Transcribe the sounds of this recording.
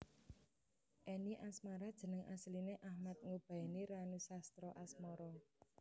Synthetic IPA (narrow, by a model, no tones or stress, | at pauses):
ʔeniʔasmaɾad̥ʒ̥ə̤nəŋʔa̰slineʔahmat̪̚ŋub̥a̤iniɾanusast̪ɾɔʔasmɔɾɔ